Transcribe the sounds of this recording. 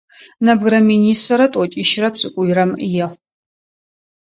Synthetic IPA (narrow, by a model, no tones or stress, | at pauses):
nɐbɣɾɐminiːsɐɾɐtʷʼɔt͡ʃʼiʃrɐpsʼɨkʷʼʊjɾɐmjɛχʷ